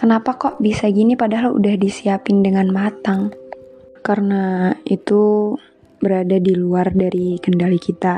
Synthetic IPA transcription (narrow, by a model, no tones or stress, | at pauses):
kənapakɔʔbisaɡinipadaɦalṵdahdisiapɪndəŋanmat̪aŋ | karənait̪u | bəɾadadiluardaɾikəndalikit̪a